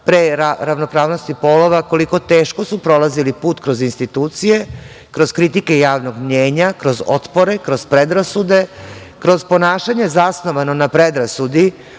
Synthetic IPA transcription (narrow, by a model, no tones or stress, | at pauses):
pɾeɾaɾaʋno̞pɾaːʋno̞st̪ipoloʋako̞liko̞t̪eːʃko̞supɾo̞lazilipuːt̪kɾo̞zinst̪it̪uːt̪sije | kɾo̞z̥kɾit̪ike̞jaːʋno̞ɡmɲeːɲakɾo̞zo̞̰t̪poɾekɾo̞zpɾed̪ɾasud̪e̞ | kɾo̞zpo̞naːʃaɲe̞zasno̞ʋano̞napɾed̪ɾasud̪i